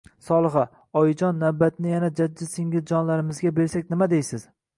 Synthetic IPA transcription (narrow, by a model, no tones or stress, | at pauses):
sɒlˠɨχa | ɒjɪd͡ʒɒnːawbat̪nɪjanad͡ʒaːɪsɪŋʲɪzd͡ʒɒnlaɾɪmɪzɡʲabe̞ɾsakʲnɪmad̪ejsɪz̥